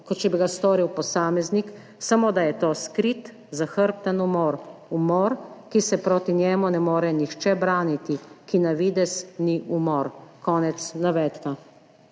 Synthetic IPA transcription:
kɔt̪t͡ʃɛbiɡast̪oːɾiwpɔsaːmɛznik | samoːd̪ajɛt̪oːskɾit̪ | zaxəɾp̚t̪ənumɔːɾumɔːɾkisɛpɾoːt̪injɛːmunɛmoːɾɛnixt͡ʃɛbɾaːnit̪ikinaʋid̪ɛsniʔumɔːɾkɔːnɛt̪snaʋɛt̪ka

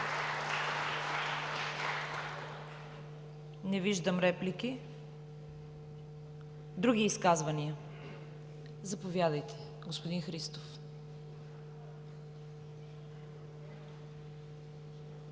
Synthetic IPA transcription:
nɛviʒd̪əmɾɛpliki | d̪ɾuɡʲiːskazvɐniə | zɐpovjad̪əjt̪ɛ̥ | ɡospod̪inxɾist̪of

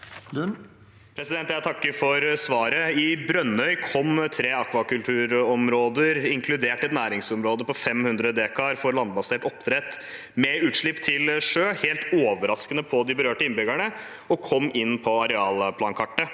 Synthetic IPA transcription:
pʰɾɛsɪd̪ɛnt̪jæɪt̪ʰɑkːəfɔɾsʋɑːɾəɪbɾœnœʏkʰɔmt̪ʰɾeːɑkʋɑkʉlʈ̪ʰʉːɾɔmɾoːd̪əɾɪŋkʰlʉd̪eːʈɛt̪næːɾɪŋsɔmɾoːd̪əpɔfɛmhʉnd̪ɾəd̪eːkʰɑɾfɔɾlɑnd̪bɑseːʈɔpt̪ʰɾɛt̪ | mɛʉːt̪ʂɭɪpːt̪ʰɪlʂøːheːlt̪oːʋəɾɑskənəpʰɔd̪ɪbəɾøːʈəɪnbʏɡæɳə | ɔkʰɔmːɪnːpʰɔɑɾɛɑːlpʰlɑːnkʰɑʈːə

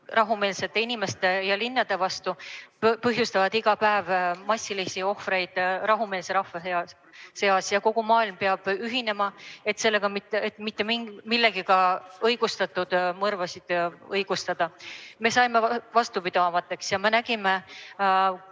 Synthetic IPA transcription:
rɑɦume̞ːlse̞t̪ːˑe̞inime̞st̪e̞jɑlinːɑd̪e̞vɑst̪upɤɦjust̪ɑvɑd̪̥iɡ̥ɑpæevmɑsʲːilisio̞hfɾe̞jd̪̥rɑɦume̞ːlseɾɑhvɑ | se̞ɑsjɑko̞ɡ̥umɑːilmpeɑb̥yɦine̞mɑe̞t̪se̞lːe̞ɡ̥ɑmit̪ːet̪ːˑmit̪ːe̞miŋmilːe̞ɡ̥ikɑɤjɡ̥ust̪ɑt̪ːˑud̪̥mɤrvɑsid̪̥ɤjɡ̥ust̪ɑd̪̥ɑme̞sɑjme̞vɑst̪upid̪̥ɑmɑt̪ːˑe̞ksjɑme̞næɡ̥ime̞

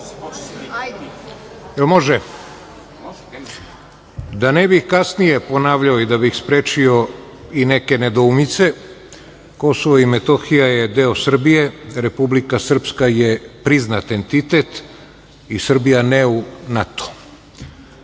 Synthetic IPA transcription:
elmoʒe | d̪anebixkasnije̞po̞naːʋʎaoid̪abixspɾeːt͡ʃio | ineke̞ned̪oumit̪se̞ | ko̞soʋoimet̪o̞xijaje̞d̪eosr̩bijeɾe̞publikasr̩pskaje̞pɾiznat̪e̞nt̪it̪e̞t̪ | isr̩bijaneunat̪o̥

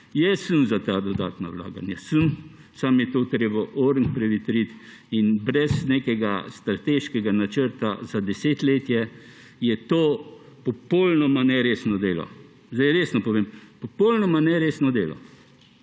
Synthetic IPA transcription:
jɛsənzat̪ad̪ɔd̪a̰ːt̪na̰wla̰ːɡa̰njasən | samjɛt̪oːt̪ɾeːbaʔoːɾŋkpɾɛʋit̪ɾit̪inbɾɛsnekɛɡast̪ɾat̪eʃkɛɡanat͡ʃəɾt̪azad̪ɛseːt̪leːt̪jɛ | jɛt̪oː | pɔpɔlnɔmanɛɾeːsnɔd̪eːlɔ̰ | zd̪ɛjɾeːsnɔpɔʋeːmpɔpɔlnɔmanɛɾeːsnɔd̪eːlɔ̰

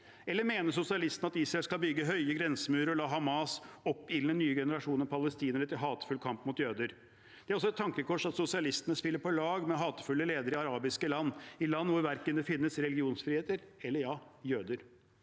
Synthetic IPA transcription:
ɛlːəɾmeːnəsʊsɪɑlɪst̪ənəɑt̪iːsɾɑɛlskɑlbʏɡːəɦœʏəɡɾɛnsəmʉːɾəɾɔlɑːɦɑmɑsɔpːɪlnənyːəɡɛnəɾɑʂuːnəɾpʰɑləst̪iːnəɾət̪ʰɪlɦɑːt̪ə̥fʉlkʰɑmpmʊt̪jøːd̪əɾ | d̪ɛæɾɔsɔɛt̪ʰːɑŋkəkʰɔʂɑt̪sʊsɪɑlɪst̪ənəspɪlːəɾpɔlɑːɡmɛɦɑːt̪ə̥fʉlːəleːd̪əɾɪɑɾɑːbɪskəlɑnːɪlɑnːʋʊɾʋæɾkənd̪ɛfɪnːəsɾɛlɪɡɪuːnsfɾiːeːt̪əɾɛlːəjɑːjøːd̪əɾ

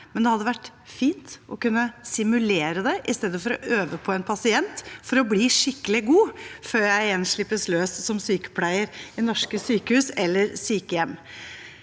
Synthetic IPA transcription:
mɛnd̪ɛhɑd̪ːəʋæʈː | fiːnt̪ʔɔkʉnːəsɪmʉleːɾəd̪ɛʔɪst̪eːd̪əfɔɾɔ̰ʔøːʋəpʰɔɛnpʰɑsɪɛnt̪fɔɾɔbliːʂɪkːəlɪɡuːføːɾjæɪɛnʂɭɪpːəsløːssɔmsyːkə̥pʰlæɪəɾɪnɔʂkəsyːkəhʉːsɛlːəɾsyːkəjɛmː

